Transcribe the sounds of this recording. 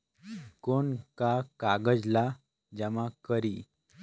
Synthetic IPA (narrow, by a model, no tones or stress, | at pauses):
koɳkakaɡəd͡zla | d͡ʑɛ̃ʋãkəɾi